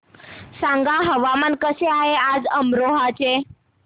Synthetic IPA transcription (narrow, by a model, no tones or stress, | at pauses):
sãŋɡaɦəʋamankəseaɦead͡zəmɾoɦat͡se